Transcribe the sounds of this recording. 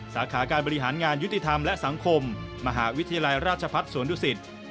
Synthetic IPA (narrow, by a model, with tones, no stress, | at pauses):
saː˩˦kʰaː˩˦kaː˧nbɔ˧ɾi˦˥ɦaː˩˦nŋaː˧nju˦˥t̪i˨˩t̪ʰa˧mlɛ˦˥ʔsa˩˦ŋkʰo˧mːa˧ɦaː˩˦wi˦˥t̪ʰa˧jaː˧la˧jɾaː˥˩t̪̚t͡ɕʰa˧pʰa˦˥t̪̚suː˨˩˦ənduː˧˥si˨˩t̪̚